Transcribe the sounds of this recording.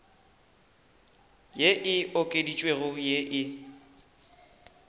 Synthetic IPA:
jeʔɪʊkʼedit͡ʃʼweɣʊjeʔɪ

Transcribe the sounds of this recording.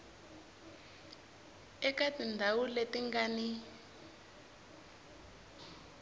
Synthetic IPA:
ɛkatindʱawuletiŋɡani

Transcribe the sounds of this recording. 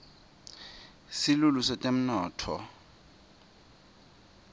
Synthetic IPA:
sɪlulusetʼem̩nɔːtʰɔ̰

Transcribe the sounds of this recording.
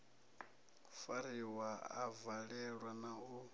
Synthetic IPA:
faɾiwaa̰vaɺɛɺwanau

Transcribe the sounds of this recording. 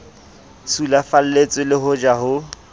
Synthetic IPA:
t͡sʰulafal̩let͡sʼɪlɪɦʊd͡ʒaɦʊ

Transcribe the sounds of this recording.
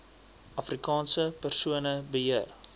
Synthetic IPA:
ʔɐfrikɑːnsəpərsuənəbəɦiər

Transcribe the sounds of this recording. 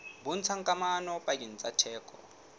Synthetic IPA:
bʊn̩t͡sʰaŋkʼamanɔpʼakin̩t͡sʼatʰɛːkʼɔ̰

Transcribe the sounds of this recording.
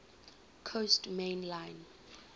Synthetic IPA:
kʰostmẽnlãjn

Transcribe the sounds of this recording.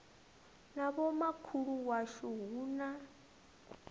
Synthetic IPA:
naβɔmakʰuɺuwaʃɔɦuːna

